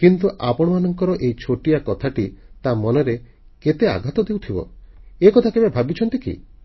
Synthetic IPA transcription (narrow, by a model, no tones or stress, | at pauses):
kint̪uʔapɔɽ̃ɔmanɔŋkɔɾɔʔejt͡ʃʰoʈiakɔt̪ʰaʈit̪amɔneɾe | ket̪ea̰ɡʱat̪ɔd̪ewt̪ʰibɔ̰ekɔt̪ʰakebebʱabit͡ʃʰɔnt̪ikḭ